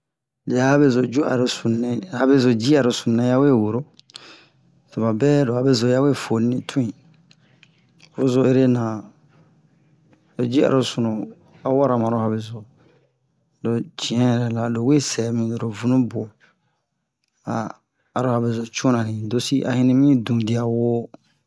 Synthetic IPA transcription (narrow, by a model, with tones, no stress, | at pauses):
le˨ja˦a˦be˦zo˨d͡ʒu˦ʔa̰˨ɾo˨su˨nɛ̃˦ha˨be˦zo˨d͡ʒi˦a˨ɾo˨sũ˨nɛ̃˨˦ja˦we˦˨wo˨ɾo˦ | se˨ba˨bɛː˦do˨a˨be˦zo˨˦ja˦we˦˨fo˨nĩ˦nĩ˦tʰũ˦ĩ˨ | fo˦zo˨e˦ɾe˦nã˨ | lo˨d͡ʒi˦a̰˨ɾo˨sũ˨nũ˨ | a˨wɔ˦ɾa˨mã˨ɾo˦ha˨be˨zo˨ | lo˨d͡ʒĩ˨ɛ̃˦ɛ˨ɾɛ˨la˨lo˨we˦sɛ˨˦mĩ˨do˨ɾo˨vũ˨nũ˦bo˨ | a̰ː˨ | ɾo˦ha˨be˨zo˨t͡ʃũ˦nã˨nĩ˨do˦si˦ʔa̰˨hĩ˦nĩ˦mĩ˦dũ˨di˨a˨wo˦